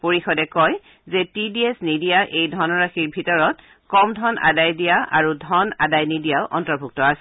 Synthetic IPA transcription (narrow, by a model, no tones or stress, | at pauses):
poɹixɔdɛkɔj | zɛtidiesnidijaʔejdʱɔnɔɹaxiɹbʱitɔɹɔt | kɔmdʱɔnʔa̰dajdijaʔaɹudʱɔna̰dajnidijaʊʔɔ̰ntɔɹbʱuk̚tɔasɛ